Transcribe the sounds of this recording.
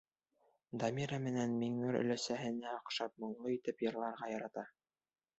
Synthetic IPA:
d̪ɑmʲiɾamɘ̆nænmiŋɘɾɵ̰̆læsæɦɘ̆næɑqʃɑp̚mŏɴlˠoit̪ɘpjɤ̆ɾlˠɑɾʁɑjɑɾɑt̪ɑ

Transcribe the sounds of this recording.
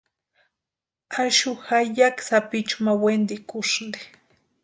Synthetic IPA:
aʃʊhajaksapɪt͡ʃmawend̪ɪkʊʃnɪ

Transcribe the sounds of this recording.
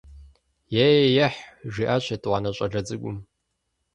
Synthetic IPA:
jejjɛħʒiʔɐɕʰʼɐtʼwɑnɐɕʷʼɐɮɐd͡zʼɨɡʷʊm

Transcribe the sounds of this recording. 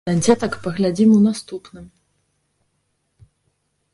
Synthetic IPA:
ad͡zʲɛt̪ɐkpɐɣlʲad͡zʲimunast̪upnɨm

